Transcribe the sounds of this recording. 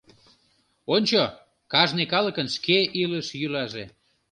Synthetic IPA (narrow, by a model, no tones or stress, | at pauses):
onʲt͡ɕo | kɑʒnekɑləkənʃkeʔiləʃjylɑʒḛ